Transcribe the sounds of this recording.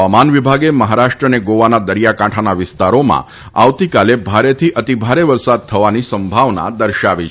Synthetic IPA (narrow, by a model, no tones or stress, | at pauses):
amanʋibʱaɡeməɦaɾaʃʈɾəneɡoʋanad̪əɾjakãʈʰanaʋɪst̪aɾomã̰ | aʋt̪ikalebʱaɾet̪ʰiʔət̪ibʱaɾeʋəɾsad̪̚t̪ʰəʋanisəmbʱaʋna̰d̪əɾʃaʋi